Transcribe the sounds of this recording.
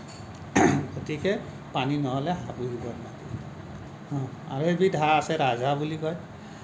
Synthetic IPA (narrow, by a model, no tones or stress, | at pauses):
ɡotikɛ | paninɔɦɔlɛɦabudibɔnnaki | hɔ̃a̰ɹebidʱaasɛɹazʱabulikɔj